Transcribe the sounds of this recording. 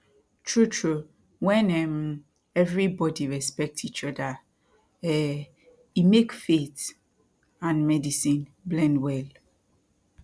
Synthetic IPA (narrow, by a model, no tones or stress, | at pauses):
tʰɹutʰɹu | wɛ̃nɛm | ɛvɹibɔdiɹɛspɛk̚tit͡ʃɔda | ɛ | imekfet | ãnmɛdisĩnblɛ̃ndwɛl